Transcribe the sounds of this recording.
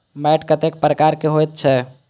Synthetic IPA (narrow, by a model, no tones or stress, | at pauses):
mɛʈkət̪ek̚pɾəkaɾkeɦojt̪̚t͡ʃʰɛ